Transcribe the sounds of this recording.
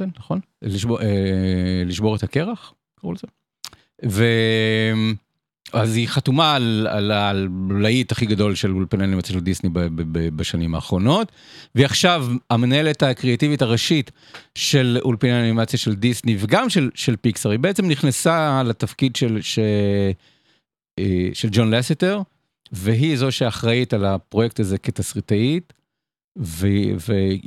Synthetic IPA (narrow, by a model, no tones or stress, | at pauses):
enaχon | liʃboeliʃbo̞ʁet̪akeʁaχ | kaʁṵlze | vem | aziχatumala̰lallaitaχiɡado̞lʃelulpineanimat͡sjaʃeldisnibebbebaʃanimaːχʁo̞no̞t | veaχʃavamenaeletakʁeativitaʁaʃit | ʃe̞lulpineaanimat͡sjaʃeldisniveɡamʃelʃelpiksaʁhibeet͡semniχnasalatafkidʃelʃe | ʃeld͡ʒo̞nleseteʁ | veɦizoʃeaχʁaitalapʁojek̚taze̞ketasʁitait | veve